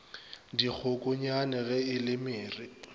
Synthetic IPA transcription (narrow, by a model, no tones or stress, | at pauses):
dik͡xʰʊkʼʊɲanɛɣɛɪlɪmɪːri